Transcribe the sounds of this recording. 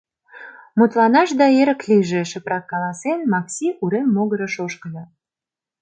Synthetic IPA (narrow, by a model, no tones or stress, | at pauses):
mut̪lɑnɑʃd̪ɑeɾə̆kliʒe̽ʃəpɾɑkːɑlɑsenmɑksiʔuɾemːoɣəɾə̆ʃoʃkəlɑ